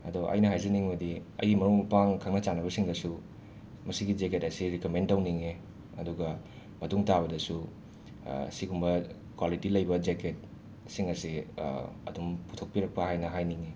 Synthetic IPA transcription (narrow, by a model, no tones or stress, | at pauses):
ɐdoʔɐ̰jnɐɦajzɐniŋmɐdiɐ̰jimɐɾuŋmpaŋkʰaŋnɐt͡ʃanɐbɐsiŋdɐsu | mɐsiɡid͡ʒeketɐsiɾikomentawniŋe | ɐduɡɐ | mɐtuŋtabɐdɐsu | sikumbɐ | kwalitilɐjbɐd͡ʒeket̚ | siŋɐsi | ɐ̰dumputʰok̚piɾɐk̚pɐɦajnɐɦajniŋe